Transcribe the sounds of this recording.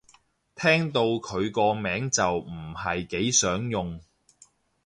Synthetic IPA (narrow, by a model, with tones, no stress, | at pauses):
t̪ʰɛː˥ŋt̪o˧wkʰɵ˨˧ɥkɔː˧mɛː˨˥ŋt͡sɐ˨wm̩˨˩hɐ˨jke˨˥jsœː˨˥ŋjʊ˨ŋ